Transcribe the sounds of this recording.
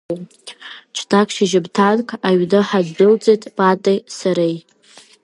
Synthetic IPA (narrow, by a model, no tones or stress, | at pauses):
t͡ʃʰdʰakʰʼʃiʒɪbtʰankʼʰaɥdɨħadːɨlt͡sʼejtʼb̥ʼatʼejsaɾej